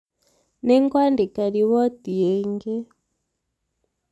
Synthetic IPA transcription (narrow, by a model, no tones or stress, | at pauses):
nɛŋɡwandikaɾiβɔtiɛŋɡɛ